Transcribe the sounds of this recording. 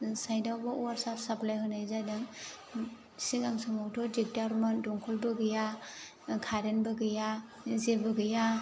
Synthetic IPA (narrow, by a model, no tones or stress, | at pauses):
sajdawbaɔwaɾsapsaplajɦɯnajzadaŋ | siɡamsɔmɔwtʰɔɾdik̚daɾmandɔŋkʰɔlbɯɡɯja | kʰaɾenbɯɡɯja | zebɯɡɯja